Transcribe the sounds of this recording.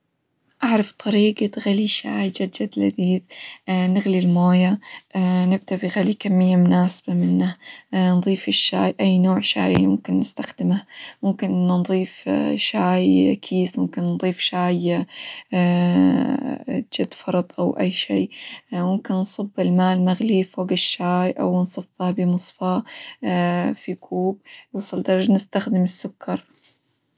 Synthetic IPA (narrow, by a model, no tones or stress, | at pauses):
ʔaʕɾˤɑft̪ˤʰɑɾiːɡat̪ɣaliʃaːjd͡ʒad̪d͡ʒad̪la̰d̪iːd̪nɪɣlilmoːja | nɪb̚d̪abiɣalikamːɪjːamʊnaːsḁb̥amɪnːanðˤiːfɪʃːaːjʔajːnoːʕʃa̰ːjmʊmkɪnːɪst̪axd̪ɪmahmʊmkɪnʔnðˤiːfʃaːjkʰiːsmʊmkɪnnðˤiːfʃaːj | d͡ʒad̪ːfɑɾˤɑt̪ˤʔawʔajːʃiːmʊmkɪnnsˤɨbːɪlmaːlmaɣlifoːɡɪʃːaːjʔa̰wnsˤɨfːabɪmɨsˤfɑ | fikʰuːb̚wɑsˤɨld̪ɑɾˤɑd͡ʒnɪst̪axd̪ɪmɪsːʊkʰːɑɾˤ